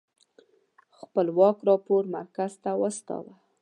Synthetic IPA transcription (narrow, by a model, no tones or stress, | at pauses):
xpəlwɑkɾɑpoɾma̰ɾkazt̪awəst̪ɑ̰wa